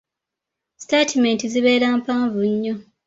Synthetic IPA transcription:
statʰimẽntiziβe̞ːɾaːmpaːɱvuɲːo

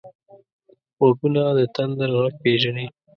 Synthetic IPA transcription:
okunad̪ət̪and̪aɾɣaɡ̚peʒani

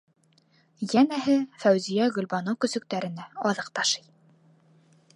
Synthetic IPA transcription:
jænæɦɘfæwzijæɡɵ̆lbɑnowkɵ̆sɵ̆k̚t̪æɾɘ̆næɑðɤq̚t̪ɑʃɤ̥j

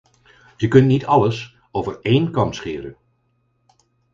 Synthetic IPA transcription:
z̥əkɵntnitɑləs | owvəɹejnkɑntsχɪːɾən

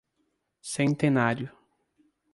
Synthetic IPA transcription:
sẽnt̪enaɾjʊ

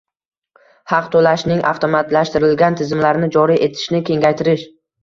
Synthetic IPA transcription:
hɑqt̪ʰolaʃnɪŋʔa̰ft̪ʰomat̪laʃt̪ɪɾɪlɡʲant̪ʰɪzɪmlaɾnɪd͡ʒɒɾiʔe̞t̪ʰɪ̥ʃnɪkʲʰe̞ŋɡʲajt̪ʰɪɾɪʃ

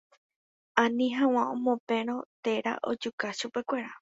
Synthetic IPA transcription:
ãnĩɦãw̃ãõmõpẽ̞ɾ̃õ̞t̪e̞ɾa̰ʔo̞̰d͡ʒukaʃupe̞kʷe̞ɾa

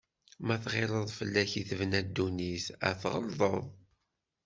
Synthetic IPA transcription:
mæθʁɪɾˤəðˤfəlːæçiθəvnæd̪ːunisæ̰θʁə̰lðˤəðˤ

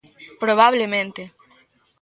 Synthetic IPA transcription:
pɾoβaβlemẽnt̪e

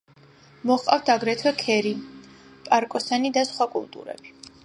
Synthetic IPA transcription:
mɔχqʼaft̪ʰaɡɾɛt̪ʰwɛkʰɛɾi | pʼaɾkʼɔsanid̪asχwakʼṵlˠt̪ʼṵɾɛ̰b̥i

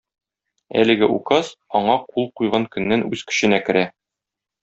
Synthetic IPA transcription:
æ̰lɘ̆ɡɘʔuqɑz̥ɒɴɑqulˠqujʁɑŋkɵ̆nːænʉz̥kɵ̥̆ɕɘ̆nækɘ̆ɾæ

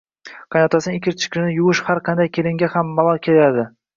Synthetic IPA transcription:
qʰɑnat̪ʰasɪnɪɪkʲʰɪɾt͡ʃʰɪ̥kʲɪnɪjʊwʊʃhaɾqʰɑnd̪ajkʲʰe̞lɪŋɡʲahamːalˠɒlˠkʲʰelad̪ɪ

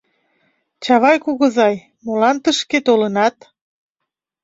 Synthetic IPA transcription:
t͡ɕɑβɑjkuɣə̆zɑj | molɑnt̪əʃket̪olənɑt̪

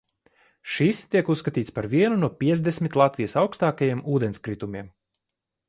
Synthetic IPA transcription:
ʃist̪iɛkusːkat̪iːt̪spaɾviɛnunuɔpʲiɛzd̪esmʲit̪lˠat̪vʲijəsawkst̪aːkajiɛmuːd̪enskɾit̪umʲiɛm

